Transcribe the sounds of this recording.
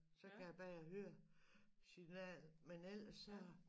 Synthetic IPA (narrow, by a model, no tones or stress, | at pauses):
sɒ̽kʰæjab̥ɛjahøːɐ | sinɛ̰ːlmenel̰ɐsɒ